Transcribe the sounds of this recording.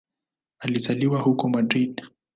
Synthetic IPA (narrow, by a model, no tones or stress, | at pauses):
alizaliwahukɔmadɾid